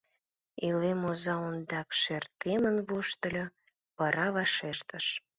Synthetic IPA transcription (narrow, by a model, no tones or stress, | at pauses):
ilemozɑond̪ɑkʃert̪emənβuʃt̪ə̆lʲo | pɑɾɑβɑʃeʃt̪əʃ